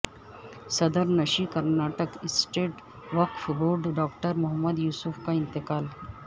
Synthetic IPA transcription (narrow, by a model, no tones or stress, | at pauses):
sɐd̪əɾnɐʃikɐɾnaːʈəkɪsʈeːʈ | ʋɐkfboːɾɖɖaːkʈəɾmʊɦɐmːəd̪juːsufkaɪnt̪ɪkaːl